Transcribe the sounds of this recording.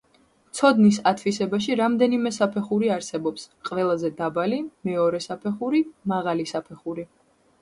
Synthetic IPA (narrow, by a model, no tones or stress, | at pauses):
t̪sʰɔd̪nisat̪ʰvisɛbaʃ̬iɾamd̪ɛnimɛsapʰɛχuɾiaɾsɛbɔpsqʼvɛlˠazɛd̪abalimɛɔɾɛsapʰɛχuɾimaʁalisapʰɛχuɾi